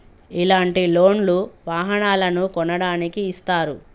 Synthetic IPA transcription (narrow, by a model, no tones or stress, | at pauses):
ilaːɳʈilo̞ːnluʋaːɦɐnaːlɐnukɔnɐɽaːnikiːst̪aːɾu